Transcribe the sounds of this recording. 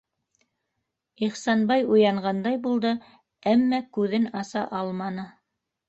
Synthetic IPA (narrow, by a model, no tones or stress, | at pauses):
iχsɑnbɑjujɑɴɢɑnd̪ɑjbulˠd̪ɤ | æmːækʉðɘnɑsɑʔɑlˠmɑnɤ